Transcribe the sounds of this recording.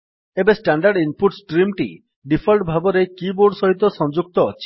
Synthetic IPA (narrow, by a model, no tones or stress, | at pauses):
ebesʈaɳɖaɾɖimpuʈsʈɾimʈḭ | ɖipʰɔlʈbʱabɔɾekiboɖsɔɦit̪ɔsɔ̃ŋd͡ʒuk̚t̪ɔːt͡ʃʰi̥